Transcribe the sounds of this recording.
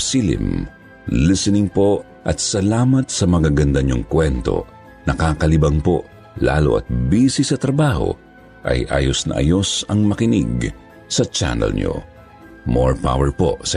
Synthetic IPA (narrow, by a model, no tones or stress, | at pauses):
silɪ̰m | lɪsɛnɪŋpo̞ | ʔɐt̪sɐlaːmɐt̪̚sɐmɐɡaɡɐnd̪ɐɲʊŋkwɛnt̪o̞̰ | nɐkaːkɐlɪbɐŋpo̞ | la̰ːlo̰ʔɐ̰t̪̚biːsɪsɐt̪ɾɐbaːho̰ | ʔɐ̰jʔa̰ːjosnɐ̰ʔɐ̰jo̞sɐŋmɐkɪnɪ̰ɡ | sɐt͡ʃa̰nɛ̰lɲo̰ | moɹpa̰wɛɹpo̰sɐ